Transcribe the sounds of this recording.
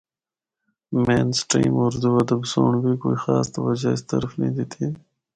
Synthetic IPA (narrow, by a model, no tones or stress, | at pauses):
meːnsʈɾḭmʊɾd̪uɐd̪ɐbsoːɳwikoːixɑːst̪ɐwɐd͡ʒaɪst̪ɐ̰ɾfnid̪it̪ʰi